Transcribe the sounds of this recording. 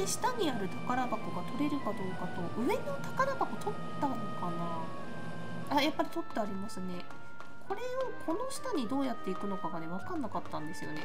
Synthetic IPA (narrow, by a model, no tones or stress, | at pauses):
eɕi̥t̪aɲ̟iaɾɯ̟t̪akaɾabakoɡat̪o̞ɾe̞ɾɯ̟kad̪o̞ːkako̞ʔɯ̟e̞no̞t̪ḁkaɾabako̞t͡ɕo̞t̪ːa | kana | ajapːaɾʲito̞t̪ːoaɾʲimasɨne̞ | kʰo̞ɾe̞o̞kʰo̞no̞ɕi̥t̪aɲ̟id̪o̞ːjat̪ːe̞ikɯ̟no̞kaɡane̞β̞akanːakat̪ːãnd̪e̞sɨjo̞ne̞